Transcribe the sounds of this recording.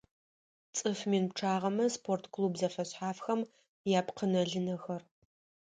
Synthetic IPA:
t͡sʼɨfmiːnpʈ͡ʂʰaːʁɐmɐspʰortʰkʰlubzɐfɐɕħaːfxɐm | jaːpqənɐɮɨnɐxɐr

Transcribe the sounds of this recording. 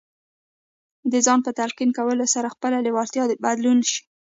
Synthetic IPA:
d̪əzɑnpət̪alqinkawəlosaɾaxpəlalɪwɑɾt̪jɑd̪bad̪lunʃi̥

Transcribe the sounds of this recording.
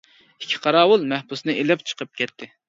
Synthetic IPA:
ikʲʰːi̥qʰɑɾɑːwʊlˠmɛhbusnɨʔelɛpt͡ʃʰə̥qʰəp̚kʲɛt̪ʰːɪ

